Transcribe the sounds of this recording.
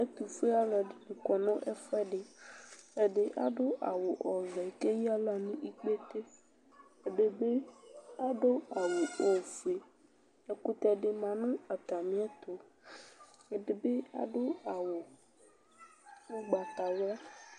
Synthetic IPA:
e˦t̪u˨fe˦a˦la˨ɖi˨nẽ˨kɔ˨nɔ̃˦ʔe˦fɛ˦ɖe˨ | e˦ɖe˦ʔa̰˦ɖo˦ʔa˨wo˨ʔɔ˨vɛ˨ke˦ji˦a˦la˨nũ˦ʔi˦k͡pe˦t̪e˦ | e˨ɖe˨be˦a˦ɖo˦a˨wo˨o˦˨fe˨ | e˨ku˦t̪ɛ˨ɖe˦mã˨nũ˦a˨t̪a˨mĩ˦ɛ˦t̪o˨ | e˦ɖe˨be˦a̰˨ɖo˦a˨wo˨ | wo˦ɡ͡ba˨ta˨wla˦

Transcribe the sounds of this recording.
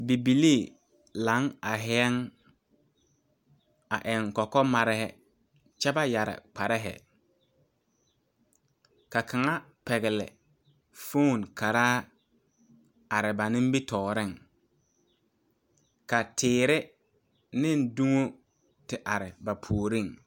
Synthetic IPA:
bi˨bi˨li˦˨ | la˨˦ŋa˨ɦɛ˦ɛ˦ŋ | a˨ʔɛ˨ŋ˨kɔ˨kɔ˦ma˨ɾɪ˦hɛ˦ | t͡ʃɛ˦ba˦ja˨ɾɪ̰˨k͡pa˨ɾɛ˦ɦɛ̰˨ | ka˨kʰa˨ŋa˦pɛ˨ɣɪ˨lɪ̰˨ | fo˦˨nka˨ɾaː˦ | a˨ɾɪ˨ba˨nɪ̃˦m˦bi˦tɔː˨ɾɪ˦˨ŋ | ka˨tʰɪː˨ɾɪ˦ | nɪ˦ndu˦ŋo˦ | tɪ˨ʔa˨ɾɪ˨ba˨pʰu˨o˨ɾɪ˦˨ŋ

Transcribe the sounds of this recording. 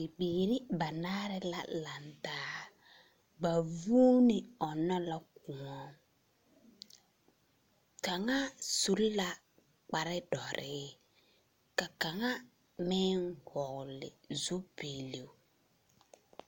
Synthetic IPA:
ɪ˨biː˨ɾɪ˦ba˨na˦ɾɪ˦la̰˨la˨ntaː˦ | ba˨vu˦nɪ˨ɔ˨nɔ˦la˦ku˨ɔ˦ | ka˨ŋa˦su˦lla˦ | k͡pa˨ɾɪ˦dɔ˨ɾʔɪ˦ | ka˨ka˨ŋa˦ | mɛ˦ŋhɔ˨ɣlɪ̰˨zu˦piː˨li˨˦

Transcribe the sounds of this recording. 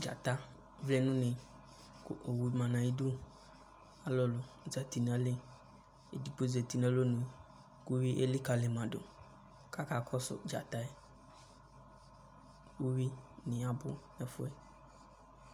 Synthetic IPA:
d͡ʒa̰˨ta˦ | vlɛ˦nũ˦nĩ˧ | ko˨wu˧mã˨nã˨i˧du˦ | a˨˦lɔ˨lo˨ | za˨ti˨˧nã˧˦le˦ | e˨di˨˦k͡po˦˧zɛ˨ti˧nã˨˦lo˦nũ˨˧˨ | ku˦wi˦ʔe˦li˦ka˧le˨mã˨do̰˨ | ka˦ka˦˨kʰɔ˦sʊ̰˨d͡ʒa̰˨ta˧ɛ˦ | wu˦wi˦nĩ˨a˨bʊ˦nɛ˨fʊ˦ɛ˦

